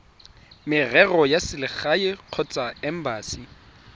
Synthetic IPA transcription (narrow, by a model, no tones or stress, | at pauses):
mɪrɛrɔjasɪlɪχaɪq͡χʰɔt͡sʼaɛm̩baːsi